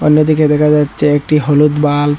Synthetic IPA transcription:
onːod̪iked̪ɛkʰad͡ʑatːɕʰeek̚ʈiɦolut̪bal

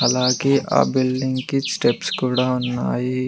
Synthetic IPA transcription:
alãːkiʔa̰bɪlɖɪ̃ŋkisʈepskʊɽaʊnːa̰ːi

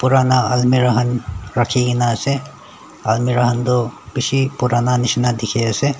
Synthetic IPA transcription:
puɾaːnaɐlmiɾɐɦɐnɾɐkʰeɡinaːse | ɐlmiɾɐɦɐnd̪obisipuɾaːnanɪʃnad̪ɪkʰeɐse

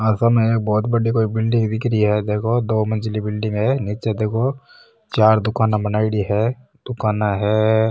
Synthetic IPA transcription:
əsamẽekbɔːt̪bɐɽikoːibɪlɖɪ̃ŋɡd̪ɪkɾiɦɛd̪eːkʰod̪oːmɐ̃nd͡ʒlibɪlɖɪ̃ŋɡɦɛniːt͡ʃed̪eːkʰo | t͡ʃaːɾd̪ʊkaːnabɐnaːɪɽiɦɛ | d̪̥ʊkaːnaɦɛː

